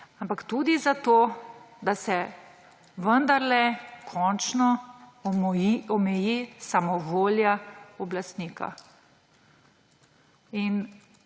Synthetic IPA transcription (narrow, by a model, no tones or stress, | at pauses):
ampakt̪ud̪izat̪oː | d̪asɛ | ʋənd̪aɾlɛkʰɔnt͡ʃnɔ | iɔmɛjisamɔʋoːljaɔblast̪niːka̰ | in